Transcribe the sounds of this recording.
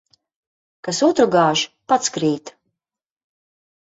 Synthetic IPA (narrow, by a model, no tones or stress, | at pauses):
kasuɔt̪ɾuɡaːʒpat̪skɾiːt̪